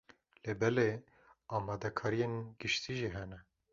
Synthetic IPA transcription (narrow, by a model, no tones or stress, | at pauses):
lebɛle | ɑːmɑd̪ɛkʰɑːɾijenɡɨʃt̪ʰiːʒiɦɛnɛ